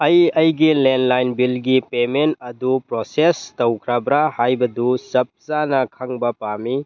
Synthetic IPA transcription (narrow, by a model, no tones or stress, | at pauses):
ɐjɐjɡilendlajnbilɡipementɐdupɾosestowkʰɾabɾahajbɐdusɐp̚sanɐkʰɐŋbɐpami